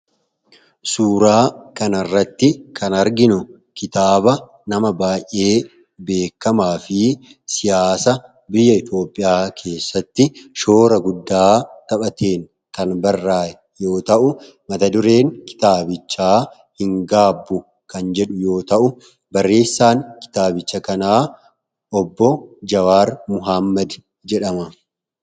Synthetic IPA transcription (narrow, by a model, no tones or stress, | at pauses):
suːɾaːkɐnɐrːɐt̪ːɪkʰɐnɐɾɡɪnʊ | kɪt̪aːbɐ | nɐmɐbaːjʔːe̞ː | be̞ːkːɐmaːfɪ | sɪjaːsɐ | bɪjːɐɪt̪o̞ːpʼːɪjaːkʰe̞ːsːɐt̪ːɪʃo̞ːɾɐɡʊd̪ːaːt̪ɐpɐt̪ʰe̞ːŋ | kɐnbɐrːaːɛ | jo̞ːt̪ɐʔʊ | mɐt̪ɐd̪ʊɾe̞ːŋkɪ̥t̪aːbɪt͡ʃːaː | hɪŋɡaːbːʊ | kɐnd͡ʒɛᶑʊjo̞ːt̪ɐʔʊ | bɐrːe̞ːsːaːŋkɪ̥t̪aːbɪt͡ʃːɐkɐnaː | ʔɔbːɔd͡ʒɐwaːɾmʊɦamːɐd̪ | d͡ʒɛᶑɐmɐ